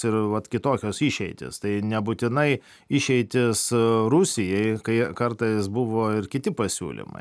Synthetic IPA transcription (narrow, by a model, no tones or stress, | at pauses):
ɪɾʋɐt̪kʲɪt̪oːkʲoːsɪʃʲɛɪt̪ʲɪ̰st̪ɐɪnʲɛbut̪ʲɪnɐɪ | ɪʃʲɛɪt̪ʲɪsɾusʲɪjɛɪkɐɪkɐrt̪ɐɪsbuʋoːɪɾkʲɪt̪ʲɪpɐsʲṵːlʲɪ̰mɐ̰ɪ